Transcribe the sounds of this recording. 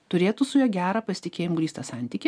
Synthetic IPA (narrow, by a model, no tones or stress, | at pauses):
t̪ʊɾʲeːt̪ʊsʊjɛːɡʲæːɾɐːpɐsʲɪ̥t̪ʲɪkʲeːjɪmʊɡlʲiːst̪ɐsɑˑnʲt̪ʲiːkʲɪ